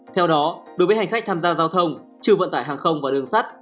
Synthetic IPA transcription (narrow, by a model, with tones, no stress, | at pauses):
t̪ʰɛ˧wɗɔ˨˦ɗo˨˦jvəː˨˦ja˨˩ŋ̟a˦˥k̟̚t̪ʰaː˧mzaː˧zaː˧wt̪ʰə˧wŋ͡m | t͡ɕɨ˧əvə̰˧˨nt̪a̰ː˧˩jɦaː˨˩ŋxə˧wŋ͡mvaː˨˩ɗɨ˨˩əŋsa˦˥t̚